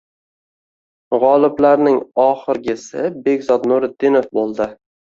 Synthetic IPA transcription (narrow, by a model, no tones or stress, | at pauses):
ʁɒlˠɪblaɾnɪŋɒχɪɾɡʲɪsɪbe̞ɡʲzɒt̪nʊɾɪd̪ːɪnofbolˠd̪ɪ